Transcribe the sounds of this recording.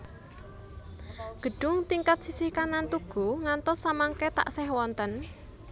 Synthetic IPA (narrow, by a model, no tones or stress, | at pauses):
ɡ̥ə̤ɖ̥ʊŋt̪iŋkat̪̚sisihkanant̪uɡ̥ṳŋant̪ɔsːamaŋkɛt̪a̰ʔsɛhwɔnt̪ən